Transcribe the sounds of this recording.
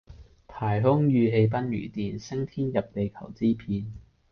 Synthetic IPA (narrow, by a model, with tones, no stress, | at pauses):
t̪ʰaː˨˩jɦʊ˥ŋjyː˨˧ɦe˧jp̬ɐ˥njy̰ː˨˩t̪iː˨nsɪ˥ŋt̪ʰiː˥njɐ˨p̚t̪e˨˧jkʰɐ˨˩wt͡siː˥pʰiː˧n